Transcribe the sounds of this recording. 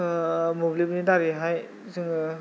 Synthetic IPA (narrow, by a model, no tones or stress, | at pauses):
mobilibnidaɾiɦaj | sɯŋ